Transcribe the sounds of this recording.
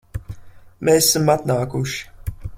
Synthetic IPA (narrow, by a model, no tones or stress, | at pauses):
meːssamat̪naːkuʃi̥